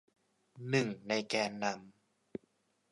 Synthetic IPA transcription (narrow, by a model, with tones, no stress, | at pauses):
nɯ˨˩ŋna˧jkɛː˧nːa˧m